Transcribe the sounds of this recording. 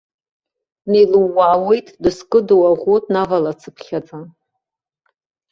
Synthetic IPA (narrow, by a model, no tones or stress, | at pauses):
nejlɨwːaːwe̞jtʼdɨskʼɨdowaʁʷotʼnavalat͡sʰɨpʰχʲad͡zʼa